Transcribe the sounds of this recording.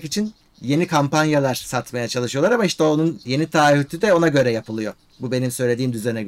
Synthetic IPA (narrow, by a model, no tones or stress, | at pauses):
kit͡ʃʰin | je̞nikʰampanjalˠaɾ̥sat̪majat͡ʃʰalˠɯʃɯjolˠaɾamaiʃt̪ʰɛo̞nunje̞nit̪ʰaːhyt̪ʰyd̪ɛo̞naɟø̞ɾɛjapʰɯlˠɯjo̞ | bube̞nimsø̞jlʲe̞d̪iːmd̪yzenɛ